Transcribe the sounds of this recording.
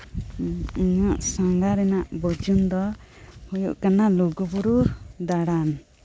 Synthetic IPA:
iɲaʔsaŋɡaɾɛnaʔbɔd͡ʒund̪ɔ | hujṵʔkanaluɡɔbɔɾud̪aɽan

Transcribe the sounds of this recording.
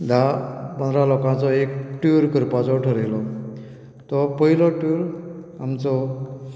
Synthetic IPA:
d̪ʱapə̃nd̪ʱɾalɔkãt͡sɔekʈuɾkəɾpat͡sɔʈʰəɾelɔ | t̪ɔpəɦilɔʈuɾ | amt͡sɔ

